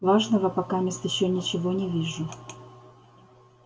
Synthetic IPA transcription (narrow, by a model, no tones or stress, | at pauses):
vaʐnəvəpɐkamʲest̪jɪɕːonʲɪt͡ɕɪvonʲɪvʲiʐʊ